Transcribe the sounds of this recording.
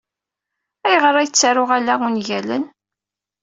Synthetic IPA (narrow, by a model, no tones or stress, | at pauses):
æjəʁəɾˤæjət͡sːaɾʊʁælæʊnʝælə̰n